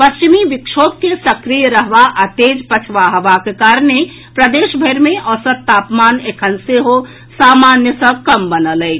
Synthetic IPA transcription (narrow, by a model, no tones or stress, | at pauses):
pɐst͡ʃimiʋɪkʃoːb̚kesɐkɾijəɾəɦʋaʔɐt̪eːd͡ʒpət͡ʃʰʋaɦəʋakekaːɾne | pɾəd̪eːʃbʱəɾmẽʔɔːsət̪̚t̪aːpmaːneːkʰənseɦo | saːmaːnjəsəkəmbənəlɛː